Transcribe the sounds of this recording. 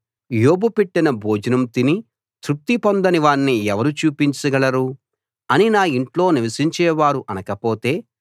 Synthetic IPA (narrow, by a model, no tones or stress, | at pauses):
joːbupeʈːinɐbʱoːd͡ʒɐnɐmt̪ini | t̪ɾup̚t̪ipond̪ɐniʋaːɳːiɛʋɐɾut͡ʃuːpiɲt͡ʃɐɡɐlɐɾu | ɐninaːiɳʈlo̞ːniʋɐsiɲt͡ʃɛːʋaːɾuʔɐnɐkɐpoːt̪e̞ː